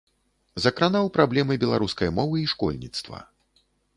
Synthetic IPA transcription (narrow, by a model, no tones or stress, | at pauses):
zɐkɾanawpɾablʲɛmɨbʲɛlˠa̰ɾuskɐjmɔvɨiʂkɔ̰lʲnʲit̪st̪vɐ̰